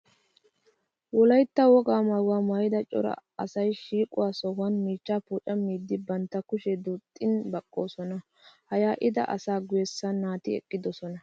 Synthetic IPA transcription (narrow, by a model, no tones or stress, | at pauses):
wɔlɐjt̪ːɐwɔɡaːmɐwaːmajɪd̪ɐt͡ʃʼɔ̰ɾɐ̰ɐsɐjʃiːkʼʊ̰waːsɔhɐnmiːt͡ʃːaːpuːt͡ʃʼɐmiːd̪ːɪbɐnt̪ːɐkʊʃɛd̪uːt̪ʼːɪnbɐkʼːo̞̰ːsɔnɐ | hɐjaːʔɪd̪ɐ̰ʔɐsaːɡʊjɛsːɐnːaːt̪ɪɛ̰kʼːɪd̪ɔsɔnɐ